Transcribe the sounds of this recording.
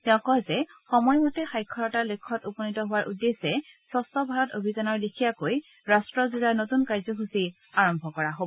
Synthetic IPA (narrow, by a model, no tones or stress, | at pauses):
tɛʊ̃kɔzɛxɔmɔjmɔtɛxajkʰːɔɹɔtalokʰːɔtupɔnitɔɦʊwaɹʔudːesɛsɔstɔbʱaɹɔtobʱizanɔɹlikʰijakoj | ɹastɹɔzulanotunkaɹzɔɦusi | aɹɔmbʱɔkɔɹaɦob